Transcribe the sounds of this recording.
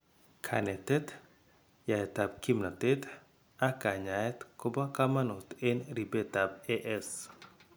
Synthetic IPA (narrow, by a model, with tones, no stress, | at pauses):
kʰa̰˨nɛ˨t̪ɛ˦t̪ | ja˨ɛ˨ta˨bki˦mna˨t̪e˦t̪ | a˦ka˨ɲa˨ɛ˦t̪ko˦ba˦ka˦ma˦no˨t̪e˦nɾi˨be˦t̪a˨beʔɛ˦s